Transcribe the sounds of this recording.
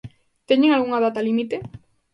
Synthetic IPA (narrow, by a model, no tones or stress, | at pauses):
t̪eɲeŋalɣuŋaðat̪alimit̪e